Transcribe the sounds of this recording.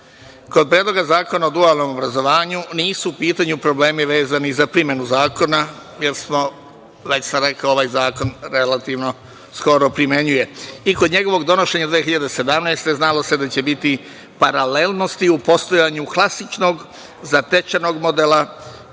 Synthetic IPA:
ko̞d̪̚pɾjed̪lo̞ɡazaːkonaod̪ualˠno̞mo̞bɾazo̞ʋaːɲuniːsuːpiːt̪aɲupɾo̞bleːmiʋe̞ːzanizapɾimje̞nuzaːko̞na | je̞ɾsmo | ʋe̞t͡ɕsamɾe̞kaoʋaːjzaːko̞nɾe̞lat̪iʋno̞ | sko̞ɾo̞pɾime̞ɲuje̞ikod̪ɲe̞ɡo̞ʋo̞ɡd̪o̞no̞ʃe̞ɲad̪ʋeːexiʎad̪ese̞d̪amnajst̪e̞znalo̞se̞d̪at͡ɕe̞bit̪i | paɾale̞lˠno̞st̪iupo̞st̪o̞jaɲuklˠasit͡ʃno̞ɡ | zat̪e̞t͡ʃano̞ɡmod̪ela

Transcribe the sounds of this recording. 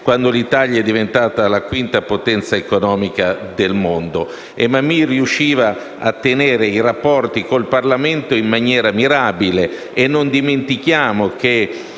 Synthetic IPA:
kwand̪olit̪aʎjaɛd̪ːivent̪aːt̪alakwint̪apot̪ɛnt̪saekonɔːmikad̪elmond̪o | emːamːiriuʃːiːva | at̪ːeneːɾeiɾapːɔrt̪ikolparlament̪oimːanjɛːɾamiɾabile | enːond̪iment̪ik̟jaːmok̟e

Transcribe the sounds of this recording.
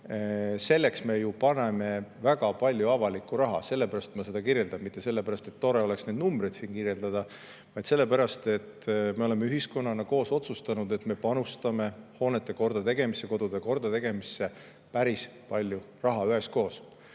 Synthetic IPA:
se̞lːe̞ksme̞jupɑne̞me̞væɡ̥ɑpɑlʲjuɑvɑlikːˑuɾɑɦɑ̰se̞lːe̞pæɾɑst̪mɑse̞d̪̥ɑkiɾje̞ld̪̥ɑmmit̪ˑːe̞se̞lːe̞pæɾɑst̪e̞t̪ːo̞ɾe̞o̞le̞ksne̞ːd̪̚numbred̪̥siːnkiɾje̞ld̪ɑd̪̥ɑ | vɑjd̪se̞lːe̞pæɾɑst̪e̞t̪ːme̞o̞le̞meyɦisko̞nːɑnːɑko̞ːso̞t̪sust̪ɑnud̪e̞t̪me̞pɑnust̪ɑme̞ho̞ːnet̪ːˑe̞ko̞rd̪̥ɑt̪e̞ɡe̞mise̞ko̞d̪̥ud̪eko̞rd̪̥ɑt̪e̞ɡ̥e̞misːe̞ | pæɾispɑlʲju | rɑɦɑyɦe̞sko̞ːs

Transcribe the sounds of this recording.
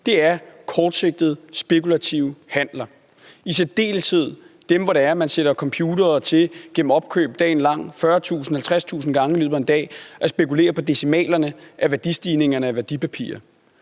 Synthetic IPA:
d̥e̝æɐkʰɒːd̥se̝ɡ̥̚d̥ð̞̩ˠsb̥e̝kʰulæt͡sʰiʊhæn̰lɐ | isedd̥e̝̰ːlshe̝ð̞̰ˠd̥emʋɒɾeæɐmænseɾ̥ɐkʰɒ̽mpʰjuːdɐːt͡sʰe̝lɡ̥en̰m̩ɒ̽b̥̚kʰø̰ːb̥̚d̥ɛ̰ːnlɑ̈ŋ̰fɶːɐt͡sʰṵːsn̩hælt͡sʰʁast͡sʰṵːsn̩ɡ̥ɑ̈ŋəlyð̰ˠɐe̝nd̥ɛ̰ːʔɒ̽sb̥e̝kule̝̰ːɐpʰɒ̽d̥e̝simɛ̰ːlɐnəʔæʋæɐd̥isd̥iːne̝ŋɐnəæʋæɐd̥ipʰæpʰḭːɐ

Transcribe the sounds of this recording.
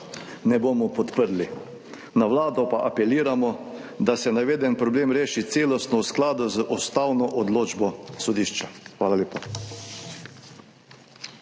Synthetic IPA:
nɛbomɔpɔt̪pəɾli | naʋlaːd̪ɔpaʔapɛliːɾamɔ | d̪asɛnaʋeːd̪ɛnpɾɔbleːmɾeːʃit̪seːlɔst̪nɔwsklaːd̪ʊzəʔɔst̪awnɔʔɔd̪loːd͡ʒbɔsɔd̪iːʃt͡ʃaxʋaːlalʲeːpa

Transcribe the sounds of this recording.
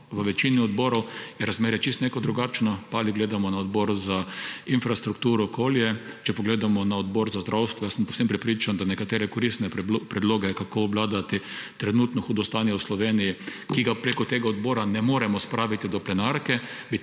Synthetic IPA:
ʋəʋɛt͡ʃiniɔd̪bɔːɾɔwjɛɾazmeːɾjɛt͡ʃist̪nekɔd̪ɾuɡat͡ʃnɔpaaliɡleːd̪amɔnaɔd̪bɔɾzainfɾast̪ɾukt̪uːɾɔːkoːljɛ | t͡ʃɛpɔɡleːd̪amɔnaɔd̪bɔɾzazd̪ɾʔawst̪ʋɔjasəmpowsempɾɛpɾiːt͡ʃand̪anɛkat̪eːɾɛkɔɾist̪nɛpɾɛd̪loːɡɛkakoːblaːd̪at̪it̪ɾɛnut̪nɔxuːd̪ɔst̪anjɛwslɔʋeːnijikiɡapɾekɔt̪eːɡaɔd̪bɔːɾanɛmoːɾɛmɔspɾaːʋit̪id̪ɔplɛnaɾkɛbi

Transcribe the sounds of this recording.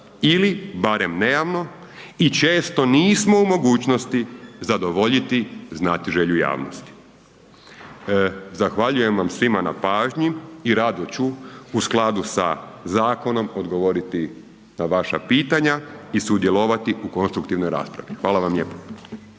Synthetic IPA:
ilibaɾe̞mne̞jaʋno̞ | it͡ʃe̞ːst̪o̞niːsmo̞umo̞ɡuːt͡ɕnost̪izad̪o̞ʋo̞ʎit̪iznaːt̪iʒe̞ʎuja̰ːʋno̰st̪i̥ | zaxʋaʎuje̞mʋamsʋimana̰paːʒɲiiɾad̪ot͡ɕuusklˠad̪usa̰zaːko̞no̞mod̪ɡo̞ʋo̞ɾit̪i | naʋaʃa̰piːt̪aɲaisud̪jelˠoʋat̪iʔuko̞nst̪ɾukt̪iʋnojɾa̰ːspɾa̰ʋixʋaːlˠaʋamʎḛːpo̥

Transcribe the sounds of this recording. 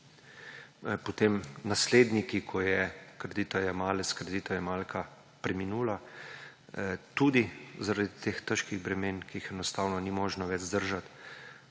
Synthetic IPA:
pɔt̪eːmnasleːd̪nikikʰɔjɛkɾɛd̪iːt̪ɔjamaːlɛskɾɛd̪iːt̪ɔjɛmalkʰa | pɾɛminuːla | t̪uːd̪izaɾad̪it̪eːxt̪əʃkiɣbɾɛmeːnkiixɛnɔst̪aːwnɔnimoːʒnɔʋɛd͡ʒzd̪əɾʒat̪

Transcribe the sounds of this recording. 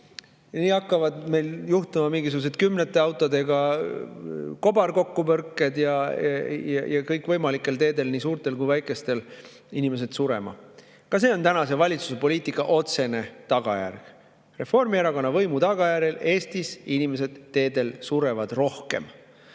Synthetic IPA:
niːɑkːɑvɑd̪me̞jljuht̪umɑmiŋɡis̬uɡ̥use̞t̪̚kymnet̪ːˑe̞ɑwt̪ːˑod̪e̞ɡɑ | ko̞bɑrko̞kːupɤrkːˑe̞d̪jɑ | jɑjɑkɤjkˑvɤjmɑlikːˑe̞lt̪e̞ːd̪e̞lniːsuːrt̪ˑe̞lkujvæjkˑe̞st̪e̞l | inʲime̞s̬e̞d̪̥suɾe̞mɑ̰ | kɑse̞ːo̞nt̪ænɑse̞vɑlʲit̪su̥se̞po̞lʲiːt̪ˑikːˑɑʔo̞t̪se̞ne̞t̪ɑɡ̥ɑ̰jæ̰rɡ̥ | re̞fo̞rmieɾɑko̞nːɑvɤ̞jmut̪ɑɡ̥ɑjæɾele̞ːst̪isinime̞s̬e̞d̪̥t̪e̞ːd̪e̞lsuɾe̞vɑd̪̥ro̞hke̞̰m

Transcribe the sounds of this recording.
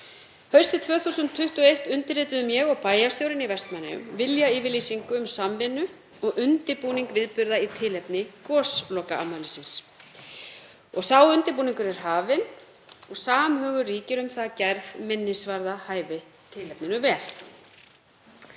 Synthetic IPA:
hœɥst̪ɪt̪ʰvœːθuːsʏnt̪ʰːʏht̪uejht̪ʏnt̪ɪɾɪːt̪ʏðʏmjɛɣɔɣpaːjast̪jowɾɪnivɛst̪manːɪ̰ʏ̰mvɪljaiːvɪɾliːsiŋkʏʏmsamvɪnʏ | ɔɣʏnt̪ɪpuːniŋkvɪðpʏɾðait̪ʰɪlɛpnɪkɔːslɔːkaa̰mːaːlɪsɪns | ɔɣsawʏnt̪ɪpuːniŋkʏɾɛɾ̥ɦaːvɪn | ɔɣsaːmhœːɣʏriːcɪɾʏmθaðcɛɾðmɪnːɪsvaɾðahaːjvɪ | t̪ʰɪlɛpnɪnʏvɛːl̥

